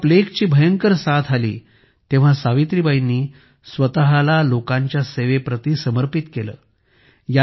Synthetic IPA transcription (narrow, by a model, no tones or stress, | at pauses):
plekt͡ɕiːbʱəjəŋkəɾsat̪ʰalḭː | t̪ẽʋ̤asaʋit̪ɾibʱainːiː | sʋət̪aɦalalokãɲt͡ɕjaseʋepɾət̪iːsəməɾpit̪kelə̰ː | ja